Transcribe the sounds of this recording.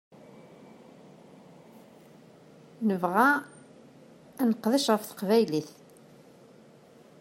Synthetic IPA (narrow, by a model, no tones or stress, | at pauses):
nəvʁa | ænəqðæʃʁəfθə̥qvæjliθ